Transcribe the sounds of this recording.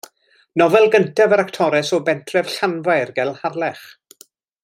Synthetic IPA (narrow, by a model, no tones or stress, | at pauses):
nɔvɛlˠɡəntʰavəɾaktʰɔɾɛsɔbɛntʰrɛv̥ɬanvajrɡɛlˠharlɛχ